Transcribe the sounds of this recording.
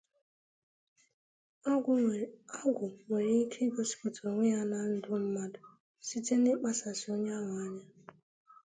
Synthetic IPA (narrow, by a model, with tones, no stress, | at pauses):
a˦ɡʷʊ˨ŋʷe˨ɾi˦i˦kʰe˦ɡo˦si̥˨ko˨to˨o˨ŋʷi˦a˦na˦n̩˦dʊ˦m̩˦ma˦dʊ˨ | si˦te˦nɪ˦k͡pa˦sa˨sɪ˨o˦ɲ˦a˦ŋa˨˦ɲa˦